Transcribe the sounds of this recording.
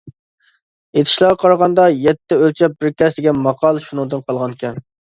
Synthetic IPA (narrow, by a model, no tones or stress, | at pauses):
et̪ʰɪ̥ʃlˠɑqʰɑɾʁɑnd̪ɑjɛt̪ʰːɪølt͡ʃʰɛp̚bɪɾkʲɛsd̪ɪɡʲɛnmɑqʰɑlˠʃunɨ̃ŋd̪ɨnqʰɑlˠʁɑnkʲɛm